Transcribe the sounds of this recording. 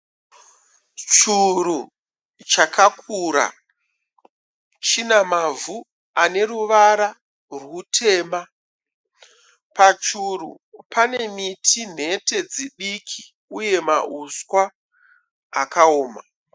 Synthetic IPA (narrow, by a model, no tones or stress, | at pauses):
t͡ʃuɾu | t͡ʃakakʰuːɾa̰ | t͡ʃinamavu | ane̞ruʋaɾa | rwutʰe̞ːma | pat͡ʃurṵ | pane̞mitʰin̤e̞te̞d͡ziɗikʰi | uje̞ma̰uskwaː | kaoːma